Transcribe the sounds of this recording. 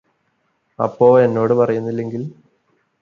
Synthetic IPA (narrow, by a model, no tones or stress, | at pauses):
ɐ̰pːo̞ːɭe̞nːo̞ːɽɨpɐrɐjunːilːe̞ŋɡil